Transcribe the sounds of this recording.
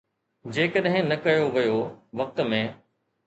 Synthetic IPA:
d͡ʑeːkəɗɦɪ̃nɐkɐjoʋɐjoʋɐk̚t̪ə̆mẽː

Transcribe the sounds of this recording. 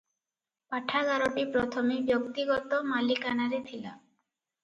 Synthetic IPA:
paʈʰaɡʱaɾoʈipɾɔt̪ʰomebjok̚t̪iɡɔt̪omalikanaɾet̪ʰila

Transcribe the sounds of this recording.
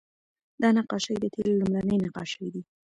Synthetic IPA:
d̪̥ɑnaqɑʃəjd̪ət̪ʰellumɾanəjnaqɑ̰ʃəjd̪i

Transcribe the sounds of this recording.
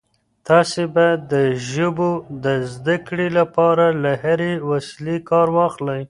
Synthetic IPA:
t̪ɑsebad̪əʒəbod̪əzd̪akɽelapɑɾalahaɾewaslekɑɾwɑxlaj

